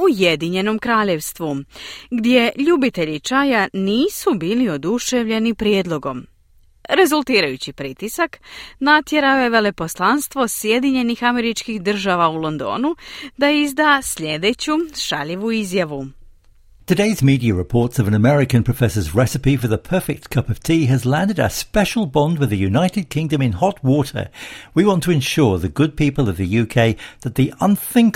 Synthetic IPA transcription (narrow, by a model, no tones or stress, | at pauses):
uje̞d̪iɲe̞no̞mkɾaːʎe̞ʋst̪ʋuɡd̪ʲje̞ʎubit̪e̞ʎit͡ʃajaniːsubiːlio̞d̪uʃe̞ʋʎe̞nipɾjed̪lˠo̞ɡo̞m | ɾe̞zulˠt̪iːɾajut͡ɕipɾit̪isaknat̪je̞ɾaoje̞ʋe̞le̞po̞slˠanst̪ʋosje̞d̪iɲe̞nixame̞ɾit͡ʃkixd̪r̩ʒaʋaulo̞nd̪o̞̰ːnud̪aizd̪aːsʎed̪et͡ɕuʃa̰ʎiʋuizjaʋu | tʰɨdeɪzmiɾiɨɹɪpʰɔɹtsʌvə̃nəmɛɹɪkɨ̃npʰɹ̥əfɛsə˞zɹɛsɨpifə˞ðəpʰɜ˞fɪk̚t̚kʰʌpʌv̥tʰiɨzlæ̃ndɨɾə̰spɛʃl̩ˠbɑ̃ndwɨðɨjʉnaɪɾɨd̚kʰɪ̃ŋdɨ̃mɪ̃nhɒt̚wɔˑɾə̰˞wiwɑ̃ntʰəɨ̃nʃʊɹðɨɡʊd̚pʰipəlˠʌvðɨjʉkʰeɪðət̪̚ðiʔʌ̃nθɪ̃ŋk